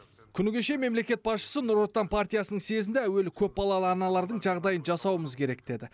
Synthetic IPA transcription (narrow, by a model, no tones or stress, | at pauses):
kʲʰʏnɪɡʲe̞ʃe̞me̞mle̞kʲe̞t̪̚bɑsʃə̥sənʊɾot̪ːɑnpʰart̪ijasənəŋse̞zɪnd̪eæwe̞lɪkʲʰɵp̚bɑlˠɑlˠəɑnɑlˠɑɾd̪əɴʒɑʁd̪ɑjənʒɑsɑwəməzkʲʰe̞ɾe̞k̚d̪̥e̞d̪ɪ